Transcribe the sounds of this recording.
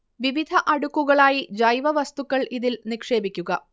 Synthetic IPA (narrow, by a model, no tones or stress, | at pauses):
ʋiʋid̪ʱɐʔɐɽukːuɣɐɭaːjid͡ʑɐjʋɐʋɐst̪ukːɐɭʔiðilnikʂe̞ːbikʲːuɣɐ